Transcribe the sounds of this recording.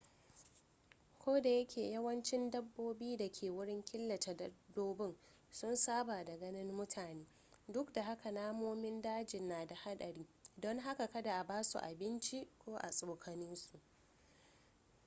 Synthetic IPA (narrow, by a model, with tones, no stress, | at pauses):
kʷoː˦da˨jɐ˦kʲʰeː˨jɐ˦wɐ˦nt͡ʃɪ˦ndɐ˦bːoː˦biː˦da˨kʲʰeː˨wʊ˦ɽɪ˦ŋkʲɪ˦lːɐ˨ta˨dɐ˦doː˦bɪ˦ŋ | sʊ˦nsaː˦baː˨da˨ɡɐ˦nɪ˦nmʊ˦tʰaː˨neː˦ | dʊ˦kda˨ha˦ka˨naː˦moː˦mɪ˦ndaː˦d͡ʒɪ˨nːaː˨da˨ha˦ɗɐ˨ɽiː˦dɔ˦ŋɦa˦ka˨kɐ˦da˨ʔa˨baː˦sṵ˨ʔa˨bɪ˦nt͡ʃi˦kʷoː˦ʔa̰˨sʼoː˨kʰɐ˨nɪ˦nsu˨ʔ